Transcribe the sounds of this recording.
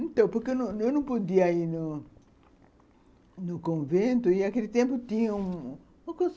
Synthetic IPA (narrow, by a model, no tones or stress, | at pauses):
ẽnt̪ɐ̃w̃poɾkenɐ̃ewnɐ̃w̃pod̪iɐainu | nʊkõvẽnt̪ʊiakelit̪ẽmpʊt̪ĩɲɐũ | ɐ̃kõs